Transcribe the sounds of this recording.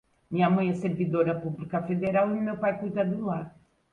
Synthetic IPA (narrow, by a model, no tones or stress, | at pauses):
mĩɲɐmɐ̃j̃ɛseɾvid̪oɾɐpuβlikɐfeðeɾalˠiumewpajkujt̪ɐd̪ulˠaɾ